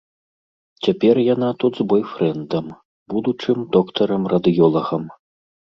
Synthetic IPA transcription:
t͡sʲapʲɛrjanat̪ud̪zbɔjfɾɛnd̪ɐm | bud̪ut͡ʂɨmd̪ɔkt̪ɐɾɐmrɐd̪ɨjɔlˠɐɣɐm

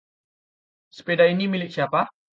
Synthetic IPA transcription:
sə̥pedainimilɪk̚siapa

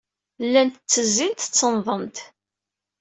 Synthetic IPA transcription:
lːænt̪ət͡sːəzːint̪ət͡sːənðˤəmt̪

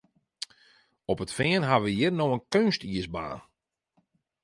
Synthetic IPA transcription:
ɔpətfɪənɦaʋəjirnoənkønstiəsba̰ː

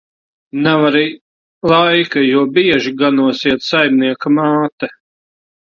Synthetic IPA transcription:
navaɾiː | lˠajkajuɔbiɛʒiɡanuɔsiɛt̪sajmniɛkamaːt̪ɐ

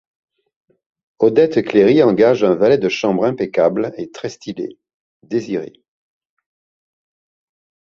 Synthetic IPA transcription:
ɔd̪ɛt̪kleʁiɑ̃ɡaʒɛ̃valɛd̪əʃɑ̃bʁɛ̃pekablet̪χɛst̪ilḛ | d̪eziʁḛ

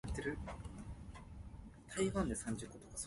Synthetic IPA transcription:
t̪ːeɾɯ | t̪ʰaiβãnd̪esãɲ̟d͡ʑɨkːot̪okḁs

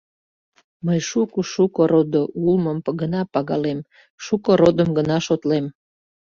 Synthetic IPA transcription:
məjʃukuʃukəɾod̪oʔulməmpəɣənɑpɑɣɑlem | ʃukəɾod̪əmɡənɑʃot̪lem

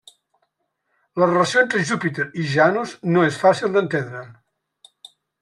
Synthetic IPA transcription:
lərələsioent̪ɾəʒupit̪eɾiʒanuznoesfasilˠd̪ənt̪end̪ɾən

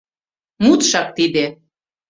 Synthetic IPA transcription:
mut̪ʃɑk̚t̪id̪e

